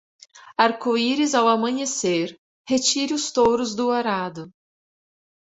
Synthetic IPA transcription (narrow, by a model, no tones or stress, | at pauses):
aɾkoiɾɪzawamɐ̃ɲeseɾ | het͡ʃiɾɪʊst̪oɾʊzd̪ʊoɾad̪ʊ